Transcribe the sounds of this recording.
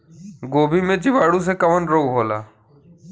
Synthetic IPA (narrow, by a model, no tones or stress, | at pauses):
ɡoːbʱimẽd͡ʒɪʋaːɽũs̬ekəʋənɾoːɡɦoːla̰ː